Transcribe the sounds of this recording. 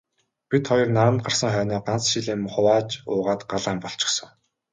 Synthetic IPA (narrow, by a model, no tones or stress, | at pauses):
pʲit̪χɔjɞ̆rnaɾə̆nt̪ɢar̥sə̆ŋχœːnɔːɢant͡sʃiɮeːmχʊwaːt͡ɕʊːʁaːt̪ɢaɮaːmpɔɬt͡ɕɪ̥̆χsə̆ŋ